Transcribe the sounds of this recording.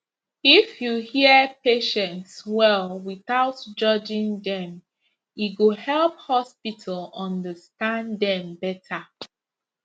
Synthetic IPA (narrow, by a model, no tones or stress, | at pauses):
ifjuhiəpeʃɛ̃ntswɛlwiθaʊtd͡ʒʌd͡ʒĩŋdɛ̃m | iɡohɛlphɔspitʰəlɔ̃ndəstãndɛ̃mbɛtʰa